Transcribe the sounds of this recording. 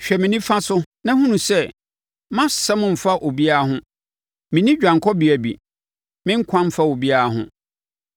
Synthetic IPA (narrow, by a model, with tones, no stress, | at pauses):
ɕᶣɛ˨mɪ̃˨nĩ˦fã˦sʊ˦ | nã˦hũ˦nũ˨sɛ˦ | mã˦sɛ˦mʊ̃˦˨m̩˨fa˦ʔo˨bi˦a˦ɦʊ̃˦ | mɪ̃˨nĩ˦d͡ʑᶣã˨ŋ˨kʰɔ˦bi˨æ˨bḭ˨ | mɪ̃˦ŋ̩˦kʷʰã˦m̩˦fa˦o˨bi˦a˦˨˦ɦʊ̰̃˦˨